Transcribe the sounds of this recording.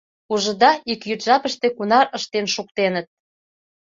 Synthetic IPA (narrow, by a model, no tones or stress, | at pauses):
uʒə̆d̪ɑikjyt̪ʒɑpəʃt̪ekunɑɾəʃt̪enʃuk̚t̪enət̪̚